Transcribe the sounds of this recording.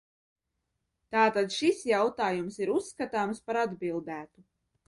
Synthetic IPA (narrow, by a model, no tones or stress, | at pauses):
t̪aːt̪ad̪ʃisjawt̪aːjumsiɾusːkat̪aːmspaɾad̪bilˠd̪æːt̪u